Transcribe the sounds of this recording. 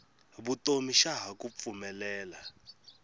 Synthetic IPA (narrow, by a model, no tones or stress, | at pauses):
βutomiʃaɦak̬ʼup̪fumɛlɛːla